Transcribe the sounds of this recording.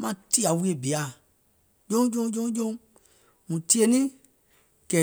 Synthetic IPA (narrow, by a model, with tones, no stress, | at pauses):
mã˧˨ti˦˨a˨wi˦e˨bi˨a˨ | d͡ʒõ˦d͡ʒõ˧˦d͡ʒõ˦d͡ʒõ˦ | mũ˨ti˦e˦˧nĩ˦ | kɛ˨